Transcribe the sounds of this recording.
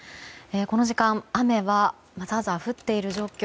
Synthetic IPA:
e̞ko̞no̞ʑikãɴame̞βa | mazaːzaɸɯ̟t̪ːe̞iɾɯ̟ʑo̞ːkʲo

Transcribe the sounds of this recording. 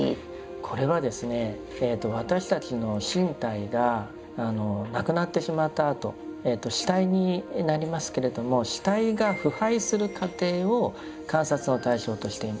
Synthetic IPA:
kʰo̞ɾe̞βad̪e̞sɨne̞ː | t̪ːo̞β̞at̪aɕi̥t̪at͡ɕino̞ɕĩnt̪aiɡaː | no̞nakɯ̟nat̪ːe̞ɕimat̪ːaːt̪o̞̰et̪ːo̞ɕi̥t̪aiɲ̟inaɾʲimasɨ̥ke̞ɾe̞d̪o̞mo̞ɕi̥t̪aiɡaɸɯ̟haisɨɾɯ̟kat̪e̞ːo̞ | kãɰ̃sat͡sɨno̞t̪aiɕo̞ːt̪o̞ɕi̥t̪e̞ima

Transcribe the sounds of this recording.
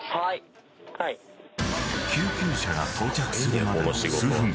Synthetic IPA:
ha | kʲɨːkʲɨːɕaɡat̪ʰo̞ːt͡ɕakɯ̟̥sɨɾɯmaɨːɯ̃ŋ

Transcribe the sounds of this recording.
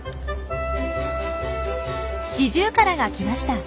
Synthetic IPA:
ɕiʑɨːkaɾaɡakʲimaɕi̥t̪a

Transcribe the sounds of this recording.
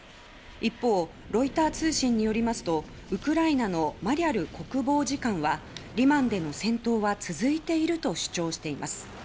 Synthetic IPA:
ipːo̞ː | ɾo̞it̪aːt͡sɨːɕĩɲ̟ːijo̞ɾʲimasɨ̥t̪o̞ | ɯ̟kɯ̟ɾainano̞maɾʲiaɾɯ̟ko̞kɯ̟bo̞ːʑikãɰ̃βaɾʲimãnd̪e̞no̞sẽ̞nt̪o̞ːβat͡sɨzɨit̪e̞iɾɯ̟t̪o̞ɕɨ̥t͡ɕo̞ːɕi̥t̪e̞imʔasɨ̥

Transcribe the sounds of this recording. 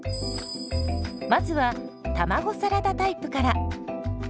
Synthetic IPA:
mazɨβa | t̪amaɡo̞saɾad̪at̪aipɯ̟kaɾa

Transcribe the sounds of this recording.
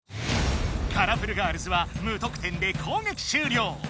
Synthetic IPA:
kʰaɾapɯ̟ɾɯ̟ɡaːɾɯ̟sɨβamɯ̟ːt̪o̞kɯ̟̥t̪ẽ̞nd̪e̞kʰo̞ːŋekʲi̥ɕɨːɾʲo̞ː

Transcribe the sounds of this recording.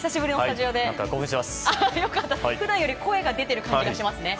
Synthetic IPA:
isaɕibɯ̟ɾʲinot̪aʑio̞ːd̪e̞kaɡoːhɯ̃ɕimasajo̞kat̪ːaɸɯ̟d̪ãɰ̃jo̞ɾʲiko̞eɡad̪e̞t̪e̞ɾɯ̟kãɲ̃d͡ʑɡaɕimasɨne̞

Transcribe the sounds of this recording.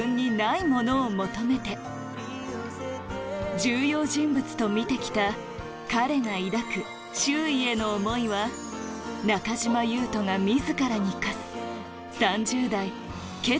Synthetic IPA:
ɯ̃ɲ̟ːinaimo̞no̞ːmo̞t̪o̞me̞t̪e̞ | d͡ʑɨːjo̞ːʑĩmbɯ̟t͡sɨ̥t̪o̞mʲit̪e̞kʲi̥t̪a | kaɾe̞naiɾakɯ̟ | ɕɨːie̞no̞ːmo̞iβa | nakaʑimajɯːt̪o̞ŋamʲizɨkaɾaɲikasɨ̥ | sãɲd͡ʑɨːd̪ai | ke̞

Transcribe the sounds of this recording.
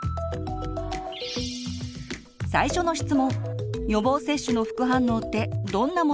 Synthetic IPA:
saiɕo̞no̞ɕçi̥t͡sɨmõ̞ŋjo̞bo̞ːse̞ɕːɨno̞ɸɯ̥kɯ̟ɦãnːoːt̪ːe̞d̪õ̞nːamo

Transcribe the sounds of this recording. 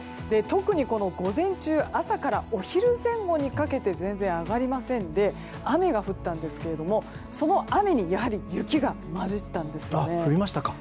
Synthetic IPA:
d̪e̞t̪o̞kɯ̟ɲ̟iko̞no̞ɡo̞zẽ̞ɲ̟t͡ɕɨːʔasakaɾao̞çiɾɯ̟zẽ̞ŋɡo̞ɲ̟ikake̞t̪e̞zẽ̞nd͡zẽ̞ɰ̃aɡaɾʲimasẽ̞nd̪e̞ | ame̞ɡaɸɯ̟t̪ːãnd̪e̞sɨ̥ke̞ɾe̞d̪o̞mo̞ | so̞no̞ʔame̞ɲ̟ijaɦaɾʲijɯ̟kʲiɡa | maʑit̪ːãnd̪e̞sɨjoa̰ne̞ɸɯɾʲimaɕi̥t̪akḁ

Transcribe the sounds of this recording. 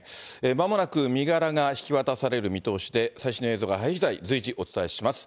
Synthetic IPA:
emamo̞nakɯ̟mʲiɡaɾaɡaçi̥kʲiβat̪asaɾe̞ɾɯ̟mʲit̪o̞ːɕi̥d̪e̞saiɕinoeːzo̞ɡaɦaiʑid̪aid͡zɨiʑiʔo̞t͡sɨ̥t̪ae̞ɕimasɨ̥

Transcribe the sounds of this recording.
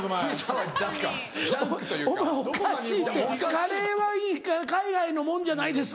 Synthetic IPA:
d̪ka | kt̪ːomaokaɕiːt̪ːekaɾeβaiːkakaiɡaino̞mõɲd͡ʑanaid̪es

